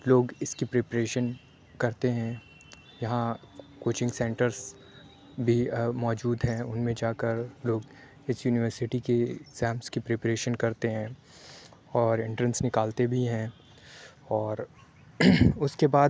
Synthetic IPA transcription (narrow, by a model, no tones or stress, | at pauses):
loːɡɪskipɾeːpɾeːʃən | kɐɾt̪eɦɛ̃ | jɐɦã | koːt͡ʃɪ̃ŋɡsɛ̃ːɳʈəɾz | bʱimɔːd͡ʒuːd̪ɦɛ̃ʊnmẽd͡ʒaːkəɾloːɡ | ɪsjuːnɪʋəɾsɪʈikekz̥ɛ̃ːmskipɾeːpɾeːʃənkɐɾt̪eɦɛ̃ | ɔːɾɪ̃ɳʈɾə̃nsnɪkaːlt̪ebʱiɦɛ̃ː | ɔːɾ | ʊskebaːd̪